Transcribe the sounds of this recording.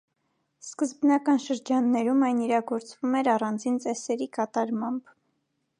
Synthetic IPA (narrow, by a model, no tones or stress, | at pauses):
skəzbnɑkɑnʃəɾd͡ʒɑnːɛɾumɑjniɾɑɡɔɾt͡svumɛɾɑrɑnd͡zint͡sɛsɛɾikɑt̪ɑɾmɑmb